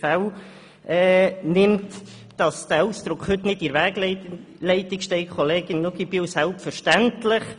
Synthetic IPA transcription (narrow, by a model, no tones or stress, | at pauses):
fæl | ʔɛːnɪmt | d̥ɑsd̥æːusd̪̥ɾʊkχhʏtnɪtɪɾʋæːɡ̥ | lɛɪtɪkʃtɛɪkʰɔleːɡɪnnoɡib̥iwsælpfəʃtæntlɪχ